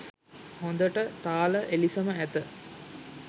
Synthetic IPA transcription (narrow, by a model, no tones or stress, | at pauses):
hond̪əʈət̪aːləʔelisəməæt̪ə